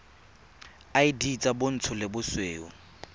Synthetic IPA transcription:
aɪdit͡sʼabʊn̩t͡sʰʊlɪbʊsweːʊ

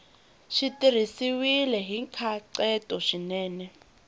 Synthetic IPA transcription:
ʃitʼiɾ̤isiwilɛɦiŋkʰaǀɛtʼɔʃinɛːnɛ

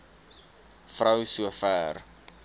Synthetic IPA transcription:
frəwsuəfæːr

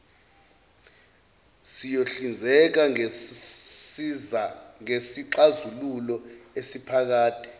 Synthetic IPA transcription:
sijoɬind͡zʱɛk̬a | ŋesiǃazululɔesipʰak̬aːtʰʼi̥

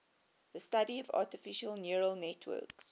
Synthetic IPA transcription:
ðəstadiəvɑ̰ˑtɪfɪʃəlˠnjuɹəlˠnɛtʰwɜ̰ːˑks

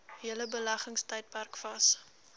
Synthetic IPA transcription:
ɦiələbəlæχəŋstəjt̚pærkfɐs

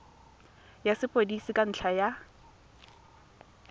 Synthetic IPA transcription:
jasɪpʼodisikʼan̩ɬʰaja

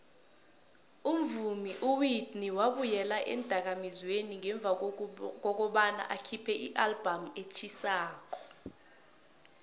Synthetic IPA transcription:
um̩vumiʔuwidniwaɓujɛlaʔɛ̰nd̥ʱak̬amizweniŋɛɱb̪vʱak̬ɔk̬ɔɓana̰ʔakʰipʰɛʔiʔalb̥ʱamet͡ʃʰisaːk̬ɔ̥

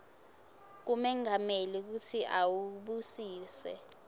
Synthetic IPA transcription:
k̬umɛŋamelik̬utʰiʔawuɓusiːsɛ̰

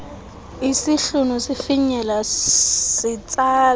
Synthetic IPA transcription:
isiɬunusifiɲɛla | sit͡sʼaːl

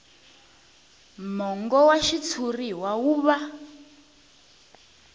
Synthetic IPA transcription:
mɔŋɡɔwaʃit͡sʰuriɦwauːβa

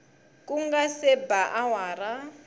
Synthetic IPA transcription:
kʼuŋɡasɛbaʔawaːɾa

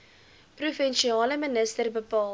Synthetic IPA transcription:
prufɛnʃiɑːləmənəstərbəpɑː

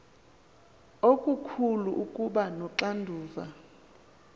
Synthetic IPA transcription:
okʼukʰuluʔukʼuɓanɔǁandʱuːva

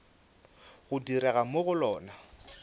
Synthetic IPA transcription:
ɣʊdiɾɛɣamoɣʊlɔːna

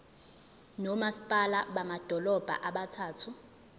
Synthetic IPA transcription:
nɔmasi̥pʼalaɓamad̥ʱɔlɔb̥ʱa̰ʔaɓatʰaːtʰu

